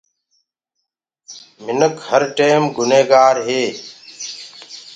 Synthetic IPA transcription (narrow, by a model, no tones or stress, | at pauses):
mɪnəkhəɾʈeːmɡʊneːɡaːɾɦeː